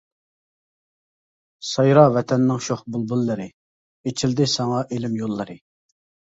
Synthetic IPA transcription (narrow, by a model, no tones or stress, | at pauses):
sɑjɾɑvɛt̪ʰɛnːɪŋʃoχbulˠbulːɨɾɨ | et͡ʃʰɪld̪ɪsɑŋɑʔelɪmjolˠːɨɾɨ